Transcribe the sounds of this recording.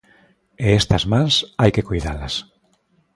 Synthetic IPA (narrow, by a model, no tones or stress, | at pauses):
eest̪ɐzmãnsajkekujðalas